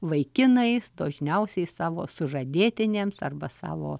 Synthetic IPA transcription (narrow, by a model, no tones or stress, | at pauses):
ʋɐɪkʲɪnɐɪsd̪oːʒʲnʲɛʊsʲɛɪsɑːʋoːsʊʒɐd̪ʲeːt̪ʲɪnʲeːmsɐrbɐsɑ̰ːʋo̰ː